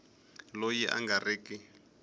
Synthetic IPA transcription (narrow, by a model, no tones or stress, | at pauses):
lojiʔa̰ŋɡariːki